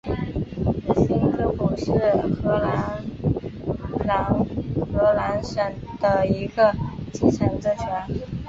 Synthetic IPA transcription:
ɕi˥nkʰɤ˧˥ku˨˩ʂɻ̩˥˩xɤ˧˥la˧˥n | la˧˥ŋxɤ˧˥la˧˥nʂə˨˩nd̪̥ə˧i˧˥ɡə˧t͡ɕi˥˩ʈ͡ʂʰə˧˥nʈ͡ʂə˥nt͡ɕʰɛ˧˥n

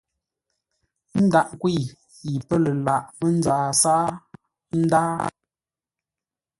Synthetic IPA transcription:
n̩˦da˦˨ʔkwi˦˨ | i˨pə˦lə˨la˨ʔmə˦n˦zaː˨saː˦ | n̩˦da˦

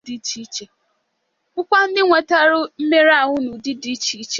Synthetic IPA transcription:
di˦t͡ʃi˦t͡ʃe˨ | ʊ˦kʷa˦n̩˦dɪ˦ŋʷe˨ta˦ɾʊ˦m̩˦me˦ɾa˨ɦʊ˦nʊ˨dɪ˦di˦t͡ʃi˦t͡ʃe˨

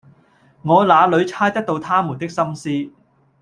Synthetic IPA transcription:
ŋɔː˨˧laː˨˧lɵ˨˧ɥt͡sʰaː˥jt̪ɐ˥t̚t̪o˧wt̪ʰaː˥mu˨˩nt̪ɪ˥k̚sɐ˥msiː˥

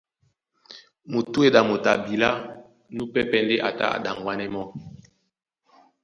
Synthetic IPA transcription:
mo˨tu˦e˨da˨mo˨ta˨bi˨la˦ | nu˦pɛ˦pɛ˦nde˦ʔa̰˨ta̰˦a̰˨da˨ŋɡwa˦nɛ˦mɔ˦

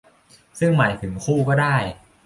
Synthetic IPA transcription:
sɯ˥˩ŋma˩˦jt̪ʰɯ˩˦ŋkʰuː˥˩kɔː˥˩daː˥˩j

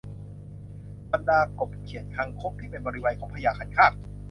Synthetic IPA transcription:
ba˧ndaː˧ko˨˩p̚kʰi˨˩˦ənkʰa˧ŋkʰo˦˥p̚t̪ʰiː˥˩pe˧nbɔː˧ɾi˦˥waː˨˦jkʰɔː˩˦ŋpʰa˧jaː˧˩kʰa˨˧˩nkʰaː˥˩k̚

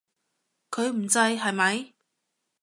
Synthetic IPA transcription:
kʰɵ˨˧ɥm̩˨˩t͡sɐ˧jɦɐ˨jmɐ˨˧˥j

